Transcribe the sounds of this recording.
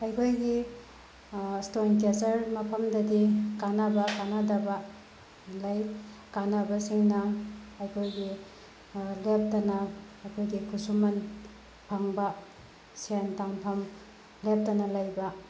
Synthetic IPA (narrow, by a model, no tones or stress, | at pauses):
ɐjkʰojɡi | stonk̬esɐɾmɐpʰɐmdɐdikanabɐkanadɐbɐ | lajkanabɐsiŋnɐɐjkʰojɡi | lep̚tɐnɐ | ɐjkʰojɡikʰusumɐn | pʰaŋbɐ | siantaŋpʰɐm | lep̚tɐnɐlɐjbɐ